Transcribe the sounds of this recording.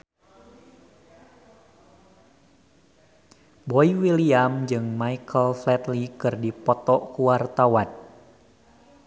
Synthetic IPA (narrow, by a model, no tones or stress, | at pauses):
bɔiwiliamd͡ʒɨŋmaikʰəlflɛt̪likɨrdipɔt̪ɔʔkuart̪awan